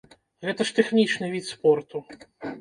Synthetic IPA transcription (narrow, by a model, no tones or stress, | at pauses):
ɣɛt̪ɐʂt̪ɛxnʲit͡ʂnɨvʲit̪spɔrt̪u